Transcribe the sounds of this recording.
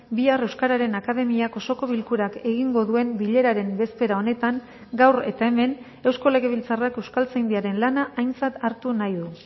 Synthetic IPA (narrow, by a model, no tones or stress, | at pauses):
biare̞wskaɾaɾe̞nakað̞e̞miako̞so̞ko̞β̞ilkuɾake̞ɣiŋɡo̞ðue̞mbiʎe̞ɾaɾe̞mbe̞spe̞ɾao̞ne̞t̪aŋ | ɡawre̞t̪ae̞me̞n | e̞wsko̞le̞ɣ̞e̞β̞ilt͡sarake̞wskalt͡sajnd̪iaɾe̞nlanaʔːjnt͡sat̪aɾt̪unajðu